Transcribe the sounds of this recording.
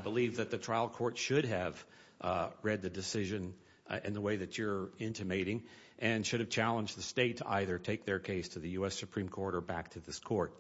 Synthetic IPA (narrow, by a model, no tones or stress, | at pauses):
bəlivðɨt̪̚ðɨtʰɹ̥aɪlˠkʰɔɹtʃʊɾɨv | ɹɛd̪̚ðɨdɨsɪʒɨ̃n | ɨ̰̃nðəweɪðɨt͡ʃə˞ɪ̃ntɨmeɪɾɪ̃ŋ | ʔɨ̃nʃʊɾɨv̥t͡ʃʰælˠə̃nd͡ʒðɨsteɪtʰəʔa̰ɪðə˞tʰeɪk̚ðə˞kʰeɪstʰɨðɨjʉɛsɨpʰɹ̥ĩmkʰɔɹɾə˞bæk̚tʰɨðɪskʰɔɹt̚